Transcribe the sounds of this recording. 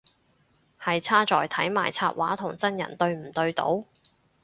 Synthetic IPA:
hɐ˨jt͡sʰaː˥t͡sɔː˨jt̪ʰɐ˨˥jma̰ː˨˩jt͡sʰaː˧t̚wʔa̰ː˨˥t̪ʰʊ˨˩ŋt͡sɐ˥njɐ̰˨˩nt̪ɵ˧ɥm̩˨˩t̪ɵ˧ɥt̪o̰˨˧˥w

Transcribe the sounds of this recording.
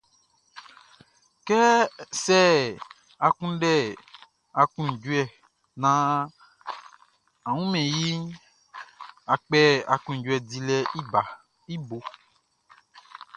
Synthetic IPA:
kɛ˦sɛ˦ | a˨kũ˦ɖɛ˦˨ | a˨kũ˦˨d͡ʒu˦ɛ˨ | nã˨ | a˨wũ˦mɛ̃˨ji˦ | a˨k͡pɛ˦a˨kũ˨d͡ʒu˦ɛ˨di˨lɛ˦ʔi˦ba˨ | i˦bo˨

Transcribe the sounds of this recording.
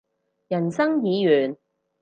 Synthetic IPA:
jɐ˨˩nsɐ˥ŋjiː˨˧jyː˨˩n

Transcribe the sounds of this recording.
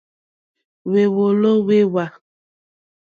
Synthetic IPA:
we˨wo˨lo˦we˦wa˨

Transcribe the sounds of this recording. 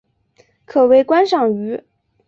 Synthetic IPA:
kʰɤ˨˩we˧˥ɪkwa˥nʂɑ˥˩ŋy˧˥

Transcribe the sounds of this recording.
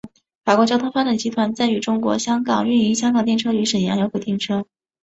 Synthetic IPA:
fa˨˩kwt͡ɕjɑ˥t̪ʰŋfa˥ʈ͡ʂa˨˩ŋt͡ɕi˧˥t̪ʰwa˧˥nt͡sa˥ny˧˥˩ʈ͡ʂʊ˥ŋkwɔ̰˧˥ɕjɑ˥ŋkɑ˨˩ŋɥy˥˧ni˧˥˩ɕ̬jɑ˥ŋkɑ˨˩ŋt̪jɛ˥˩nʈ͡ʂʰɤ˥y˧˥ʂə˨˩njɑ˧˥jo˧˥ʊkwt̪jnʈ͡ʂʰɤ˥

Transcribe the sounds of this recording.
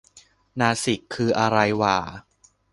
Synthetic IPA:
naː˧si˨˩kʰːɯː˧ʔa˧ɾa˧jwaː˨˩

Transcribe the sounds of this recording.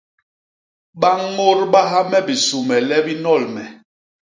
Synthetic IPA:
ɓa˦ŋː˦o˦ɾɓa˦ɦa˦mɛ˦bi˨su˨mɛ˨lɛ˦bi˦nɔ˦˨lmɛ˨

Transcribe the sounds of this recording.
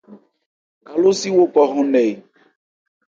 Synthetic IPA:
ka˨lo˦si˦wo˦kɔ˨ɣɔ̃˦nɛ˨i˨

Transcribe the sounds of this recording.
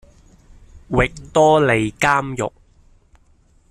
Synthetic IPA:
wɪ˨k̚t̪ɔː˥le˨jkaː˥mjʊ̰˨k̚

